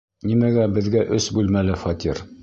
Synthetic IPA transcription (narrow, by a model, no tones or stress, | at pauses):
nimæɡæbɘ̆ðɡæʔɵsbʉlmælɘfɑt̪ʲiɾ